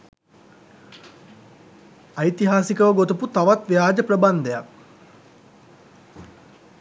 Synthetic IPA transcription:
ɐjt̪iɦaːsikəʋəɡot̪uput̪aʋat̪ʋejaːd͡ʒəpɾəband̪əja̰

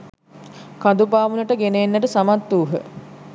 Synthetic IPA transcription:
kad̪upaːʋunəʈəɡeneːnːəʈəsamat̪ːuːɦə̰

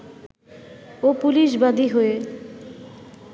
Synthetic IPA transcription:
opuliʃbad̪iɦoe

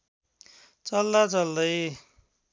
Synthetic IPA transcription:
t͡sʌld̪at͡sʌld̪ʌj

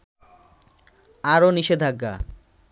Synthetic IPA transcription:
aɾoniʃed̪ʱaɡːa̰

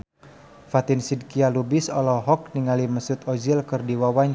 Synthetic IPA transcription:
fat̪insid̚kialubɪsɔlɔɦɔk̚niŋaliməsʊt̪ɔd͡ʒilkɨrdiwawaɲ

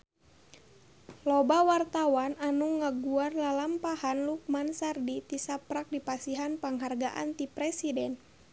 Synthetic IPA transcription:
lɔbawart̪awananuŋaɡuarlalampahanluk̚mansardit̪isapɾak̚dipasiɦanpaŋɦarɡaʔa̰nt̪ipɾɛsidɛn

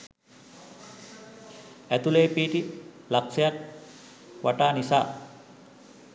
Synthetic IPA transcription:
æt̪uleːpiːʈi | laksɐjak̚ | ʋaʈaːnisa̰ː

